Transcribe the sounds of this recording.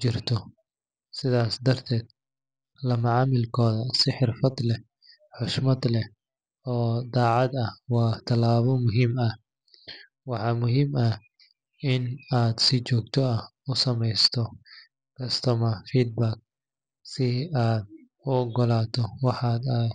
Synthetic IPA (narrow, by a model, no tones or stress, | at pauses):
t͡ʃɪrt̪ʰɔ | sɪðaːsd̪ɐrt̪ʰɛːd̪̥ | lɐmɐʕɑːmɪlkʰɔːðɐsɪħɪrfɐd̪lɛ | ħʊʃmɐd̪lɛ | ɔːd̪aːʕɑd̪ɐwɑːt̪ʰɐlaːβɔmʊɦiːmɐh | wɑħɑːmʊɦiːmɐ | ʔɪnaːd̪sɪt͡ʃɔːɡ̚t̪ʰɔɐ | ʊsɐmɛjst̪ʰɔ | kʰɐst̪ʰɔmɐfiːd̪̚baːk̚ | sɪaːd̪̚ | ʊɔɡɔlaːt̪ʰɔwɑħaːd̪ɐ